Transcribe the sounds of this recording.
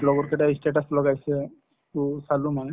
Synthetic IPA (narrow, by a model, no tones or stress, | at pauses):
lɔɡɔɾkeʈeisʈeʈəslɔɡajse | kusaluman